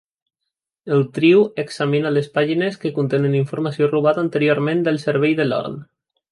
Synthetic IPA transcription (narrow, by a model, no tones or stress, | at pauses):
əlˠt̪ɾiweksaminalespaʒineskəkunt̪enəniɱfuɾmasioruβaðant̪əɾioɾmẽnd̪əlˠsəɾβ̞ɛjðəlɔ̰ɾn